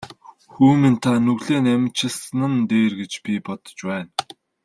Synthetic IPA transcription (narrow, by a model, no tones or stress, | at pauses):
xuːmĭnt̪ʰanɵɣɮeːnemt͡ɕʰɪ̆ɮsnə̆nt̪eːrɡet͡ɕpʲipɔt̪ɞ̥̆t͡ɕpæːn